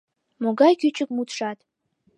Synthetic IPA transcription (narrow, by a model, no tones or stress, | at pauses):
moɡɑjkyt͡ɕək̚mut̪ʃɑt̪